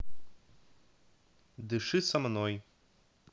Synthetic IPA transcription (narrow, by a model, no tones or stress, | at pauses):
d̪ɨʂɨsɐmnɔj